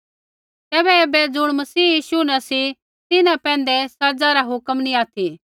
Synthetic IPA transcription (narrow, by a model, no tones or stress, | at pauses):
t̪ɛːbɛeːbɛd͡zʊɽ̃mɐsiːjiːʃunɛsi | t̪ɪnãpɛ̃ːnd̪ɛsɐd͡zaɾaɦʊkəmnĩaːt̪ʰi